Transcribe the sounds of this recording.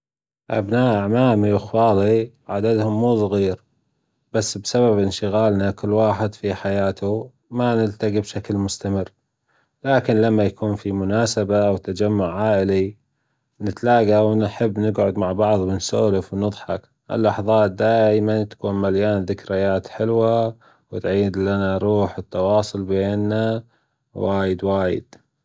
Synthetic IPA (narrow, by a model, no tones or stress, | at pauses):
ʔa̰bnaːʔaʕmaːmiʔɪxfɑːli | ʕad̪ad̪hʊmːuːsˤɣiːɾ | b̥asːbsababʔɪnʃɪɣaːlnakʊlːwaːħɪd̪fiħajaːt̪ʰu | manɪlt̪aɡibʃaklmʊst̪amɪrː | laːkɪnlamːajakuːnfimʊnaːsabawt̪ːad͡ʒamːʊʕːaːʔɪli | nɪt̪laːɡawnħɪbːnɪɡʕʊd̪maʕbɑʕðˤwɪnsoːlɪfwnɨðˤħɑk | ʔɪ̰lːɑħðˤɑːt̪̚d̪aːjmant̪ḁkuːnmaljaːnðɪkɾɪjaːt̪ħɪlwa | wɪt̪ʕiːd̪lanaɾˤuːħɪt̪ːɑwɑːsˤʊlbeːnːa | waːjɪd̪waːjɪ̰d̪̥̚